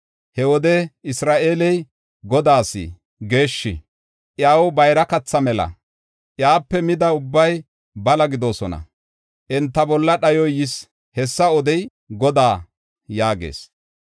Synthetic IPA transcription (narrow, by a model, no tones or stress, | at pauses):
hɛwɔd̪ɛɪsɾaːʔe̞ːlɛj | ɡɔd̪aːsḭ | ɡe̞ːʃːɪ̰ | ʔjaːwɔbɐjɾɐkɐt͡sːɐmɛlɐ̰ | ʔjaːpːɛmɪd̪ɐʊbːɐj | bɐlɐɡɪd̪o̞ːsɔnɐ̰ | ʔɛnt̪ːɐbɔlːɐɗɐjɔjɪs | hɛsːɐɔd̪ɛj | ɡɔd̪aː | jaːɡḛːs